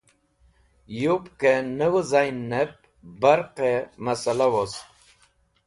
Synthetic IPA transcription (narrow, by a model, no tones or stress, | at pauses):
jupkenəwəzajnːep̚ | baɾqemasalawos